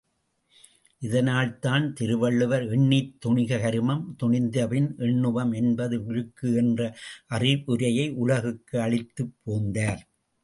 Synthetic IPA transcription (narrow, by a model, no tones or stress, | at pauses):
ʔɪðɐnaːlt̪aːnt̪ɪɾɯʋɐɭːɯʋɐɾɛɳːɪt̪ːʊɳɪɣɐɣɐɾɯmɐmt̪ʊɳɪnd̪ɐʋɪnʔɛɳːɯʋɐmɛnbɐðɯɪɻɯkːɯɛndrɐʔɐrɪʋʊɾɐjɐɪʔʊɭɐɣɯkːɯɐɭɪt̪ːɯpːoːnd̪aːɾ